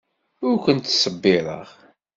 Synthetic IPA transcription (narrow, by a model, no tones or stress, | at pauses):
ʊɾkʷənt̪ːsˤəbːɪɾˤə̰ʁ